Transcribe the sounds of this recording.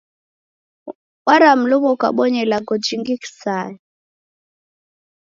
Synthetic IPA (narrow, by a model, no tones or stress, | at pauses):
waɾam̩lumɔka̰ɓɔɲɛlaɡɔd͡ʒiŋɡiki̥saɛ